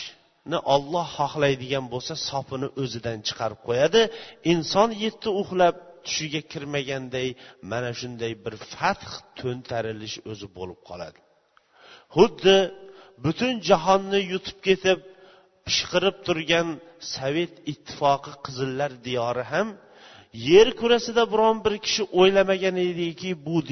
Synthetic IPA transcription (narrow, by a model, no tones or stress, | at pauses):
nɪʔɒlˠːɑhːɒχlˠajd̪ɪɡʲanbolˠsasɒpʰɪnɪʔɵzɪd̪ant͡ʃʰɨ̥qʰɑɾɪp̚qʰojad̪ɪɪnsɒnje̞t̪ʰːɪʊχlˠap̚t̪ʰʊ̥ʃɪɡʲakʲʰɪɾmaɡʲand̪ajmanaʃʊnd̪ajbɪɾfat̪χt̪ʰɵnt̪ʰaɾɪlɪʃɵzɪbolˠɪp̚qʰɒ̰lˠa̰d̪ɪ̥ | hʊd̪ːɪbʊt̪ʰʊnd͡ʒaɦɒnːɪjʊt̪ʰʊ̥p̚kʲe̞t̪ʰɪp̚ | pɨ̥ʃqɨɾɪp̚t̪ʰʊɾɡʲansave̞t̪ɪt̪ʰːɪ̥fɒqʰɨqʰɨzɪlːaɾd̪ijɒɾɪɦam | je̞ɾkʰʊɾasɪd̪abɪɾɒnbɪɾkʲʰɪ̥ʃɪʔojlamaɡʲaned̪ɪkʲɪbʊd̪